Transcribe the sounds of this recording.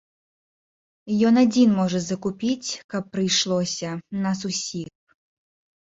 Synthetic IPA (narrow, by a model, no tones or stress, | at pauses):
jɔnad͡zʲinmɔʐɐzɐkupʲit͡sʲkɐpːɾɨjʂlˠɔsʲɐnɐs̬usʲix